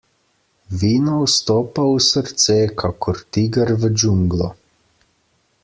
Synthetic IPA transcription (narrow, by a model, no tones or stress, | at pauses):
ʋiːnɔwst̪ɔːpausəɾt̪sɛkʰakʰɔɾt̪iɡaɾʋəd͡ʒuŋɡlɔ